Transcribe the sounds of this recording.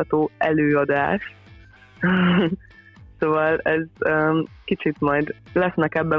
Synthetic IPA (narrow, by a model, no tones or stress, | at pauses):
ɒt̪oːɛløːɒd̪aːʃ | soːvɒlɛzøːkit͡ʃit̪mɒjd̪lɛsnɛkɛbːɛ